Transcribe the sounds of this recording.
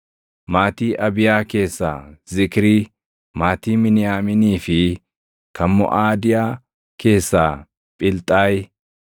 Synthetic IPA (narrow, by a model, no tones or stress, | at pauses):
maːt̪iːʔɐbɪjaːke̞ːsːa̰ːzɪkɪɾi | maːt̪iːmɪnɪjaːmɪniːfɪ | kʰɐmːɔ̰ʔaːd̪ɪjaː | ke̞ːsːaː | pʼɪlt̪ʼːaːj